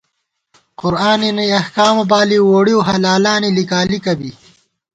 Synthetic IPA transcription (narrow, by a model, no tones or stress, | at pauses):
qʊɾaːninɐjɐhkaːmɐbaːliwoːɽioɦɐlaːlaːnilikaːlikɐbi